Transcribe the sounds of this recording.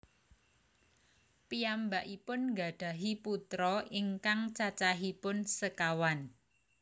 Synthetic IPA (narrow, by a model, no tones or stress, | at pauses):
pijambaʔipʊnŋɡa̤ɖ̥ä̤ɦiput̪ɾɔʔiŋkaŋt͡ʃat͡ʃaɦipʊnsəkawan